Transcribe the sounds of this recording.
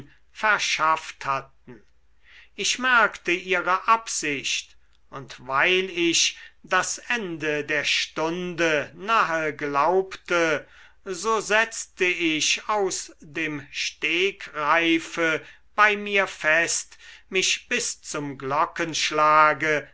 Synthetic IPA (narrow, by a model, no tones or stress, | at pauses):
fɛɐʃafthat̪̚n̩ | ɪʃmɛɐkt̪əiːʁəʔapz̥ɪʃt | ʊntvaɪlɪʃd̥asɛndədeːɐʃtʊndənaɦəɡlaʊptə | zoːzɛt͡st̪əɪʃaʊsdeːmʃteːkʁaɪfə | b̥aɪmiːɐfɛst̪mɪʃb̥ɪst͡sʊmɡlɔkənʃlaːɡə